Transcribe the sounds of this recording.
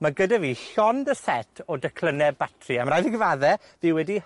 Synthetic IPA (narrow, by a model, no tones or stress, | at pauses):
maɡədaviːɬɔndəsɛtʰɔdəkʰl̥ˠənɛbatʰriamrajðiɡvaðɛ | ðɪwɛdi